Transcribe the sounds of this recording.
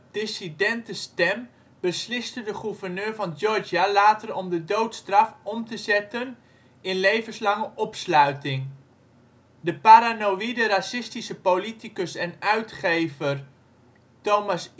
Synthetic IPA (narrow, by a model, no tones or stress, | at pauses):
d̥ɪsidɛntəstɛm | bəslɪstədəχuvərnøːɹvɑnd͡ʒɔɹd͡ʒalaːtərɔmdədowtstrɑfɔmtəzɛtən | ɪnlejvənslɑŋəʔɔpslœɥtɪŋ | dəpaɾanowidəɾasɪstisəpolitikəsɛnœɥtχejvər | towmɑs